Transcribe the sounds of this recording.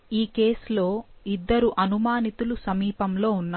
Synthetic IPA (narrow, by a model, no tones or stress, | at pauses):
iːke̞ːslo̞ːid̪ːɐɾuʔɐnumaːnit̪ulusɐmiːpɐmlo̞ːunː